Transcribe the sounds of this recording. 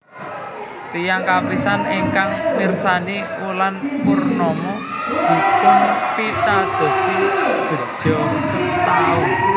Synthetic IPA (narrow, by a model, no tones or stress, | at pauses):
t̪ijaŋkapisaneŋkaŋmirsaniulanpurnɔmɔd̥ṳt̪ʊŋpit̪ad̪̥ɔ̤sib̥ə̤̥ʒ̥ɔsit̪au